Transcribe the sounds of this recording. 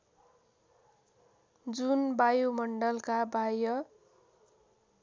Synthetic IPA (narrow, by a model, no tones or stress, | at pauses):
d͡zunbajumʌɳɖʌlkabajʌ